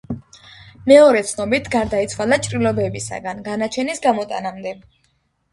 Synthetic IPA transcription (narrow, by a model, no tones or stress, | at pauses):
mɛɔɾɛt̪sʰnɔbit̪ʰɡaɾd̪ait̪sʰwalat͡ʃʼɾilɔbɛbisa̰ɡanɡanat͡ʃʰɛnisɡamɔt̪ʼa̰namd̪ɛ